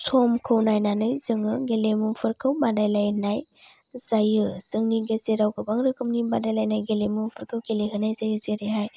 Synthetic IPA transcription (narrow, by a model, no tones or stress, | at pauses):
sʰɔmkʰɯwnajnanɯjzɯŋɯɡelemupʰɯɾkʰɯwmadajlajnaj | z̥ajɯz̥ɯŋniɡezeɾawkɯbaŋɾɯkʰɯmnibadajlajnajɡelemupʰɯɾkʰɯwɡeleɦɯnajzajɯzeɾeɦaj